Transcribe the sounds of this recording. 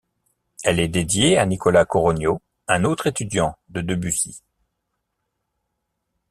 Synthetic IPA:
ɛlɛd̪ed̪jeanikɔlakɔʁɔnjo | ɛ̃not̪χet̪yd̪jɑ̃d̪əd̪əbysḭ

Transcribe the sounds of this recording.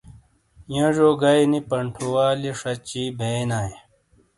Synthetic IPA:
jɐ̃ʐoːɡajnipɐɳʈʰuwaːleʂɐt͡ɕiːbʱeːnaːi

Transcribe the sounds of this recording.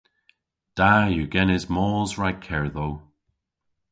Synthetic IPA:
d̥ajəɡɛnɪzmɔːzɹaj̚kʰɛɹðow

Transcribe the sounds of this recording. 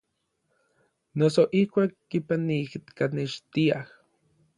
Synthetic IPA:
nosoʔihkʷaːkːipanikt̪kaneʃt̪iah

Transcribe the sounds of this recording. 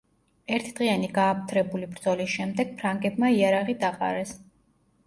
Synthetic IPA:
ɛɾt̪ʰid̪̥ʁianiɡaːpʰt̪ʰɾɛbulibɾd̪zɔlisʃɛmd̪ɛɡ̥̚pʰɾaŋɡɛbmaiaɾaʁid̪aqʼa̰ɾɛs

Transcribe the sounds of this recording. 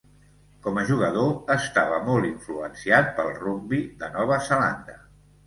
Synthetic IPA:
kɔməʒuɣ̞əðoəst̪aβəmɔlˠiɱfluənsiat̪̚pəlˠrumbiðənɔβ̞əzəla̰nd̪ə

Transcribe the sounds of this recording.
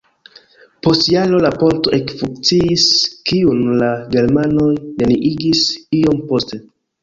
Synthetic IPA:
po̞stjalo̞lapo̞nto̞ʔe̞kfuŋkt͡siiskiunlaɡe̞ɾmano̞jne̞niʔiɡisio̞mpo̞ste̞

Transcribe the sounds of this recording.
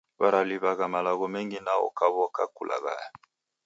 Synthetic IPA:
baɾaliβaɣamalaɣɔmɛŋɡinaɔ̰kaβɔkakulʔa̰ɣa̰ja

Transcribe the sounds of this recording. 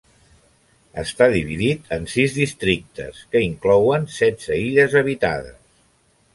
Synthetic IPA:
ə̰st̪aðiβ̞iðit̪ʰənsizðist̪ɾik̚t̪ə̰skəiŋklɔwənsɛdz̥əiʎəzəβit̪a̰ðə̰s

